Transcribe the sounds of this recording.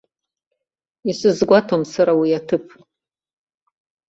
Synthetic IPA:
isɨzɡʷatʰomsaɾawiatʰɨpʰ

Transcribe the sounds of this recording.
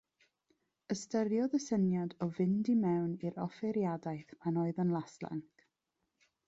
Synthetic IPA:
əstəɾjɔðəsənjadɔvɪndimɛwniɾɔfɛɾjadajθmanɔɨðənlˠaslˠa̰ŋk

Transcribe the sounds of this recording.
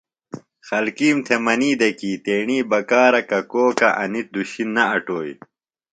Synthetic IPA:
xɐlkiːmt̪ʰemɐniːd̪ɐkiːt̪eːɳiːbɐkaːɾɐkɐkoːkɐʔɐ̰nit̪̚d̪uɕinːɐɐʈoːj

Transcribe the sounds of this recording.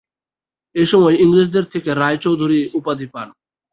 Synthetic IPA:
eʃɔmɔeiŋɾid͡ʑd̪eɾt̪ʰekeɾajt͡ɕowd̪ʱuɾiupad̪ʱipan

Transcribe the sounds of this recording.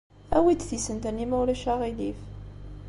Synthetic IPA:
æwid̪θisənt̪ənːimæwlæʃaʁilif

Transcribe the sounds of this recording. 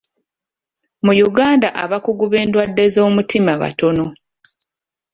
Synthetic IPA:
mujuɡaːndaʔaβakuɡuβe̞ːndwadːe̞zo̞ːmutimaβa̰to̞no̞

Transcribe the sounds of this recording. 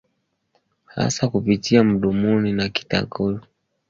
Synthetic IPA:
ha̰sakupitiam̩ɗumuninaki̥ta̰ɡɔlɔ

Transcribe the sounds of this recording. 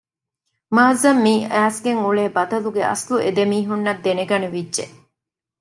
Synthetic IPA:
maːzɐmːiːæːsɡeŋuɭeːbɐt̪ɐluɡeɐ̰sluʔed̪emiːɦunːɐd̪ːeneɡɐneʋidʒe

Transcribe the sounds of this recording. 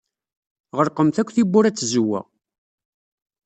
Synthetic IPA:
ʁəɾqəmθækʷːθibːʊɾæt͡sːzʊwːæ̰

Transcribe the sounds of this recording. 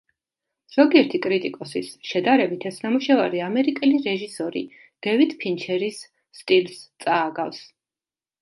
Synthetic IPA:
z̥ɔɡiɛɾt̪ʰikʼɾit̪ʼikʼɔsisʃɛd̪aɾɛbit̪ʰɛsnamuʃavaɾiamɛɾikʼɛliɾɛʒisɔɾḭ | d̪̥ɛvid̪̥pʰint͡ʃʰɛɾisː | t̪ʼilst̪sʼaːɡafs

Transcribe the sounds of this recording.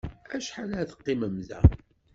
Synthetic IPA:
æʃħalæθə̥qːiməmðæ̰

